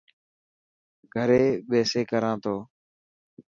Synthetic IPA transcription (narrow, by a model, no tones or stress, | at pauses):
ɡʱəɾeːɓeːseːkəɾãːt̪ʰoː